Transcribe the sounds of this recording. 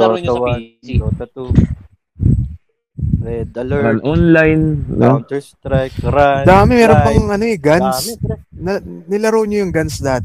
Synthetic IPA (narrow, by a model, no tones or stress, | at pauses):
w | anʔonlajnno | d̪aːmɪmɛːɾopɐŋʔɐnoʔɛɡansnɐnɪlɐɾowɲɐjʊŋɡansd̪at̪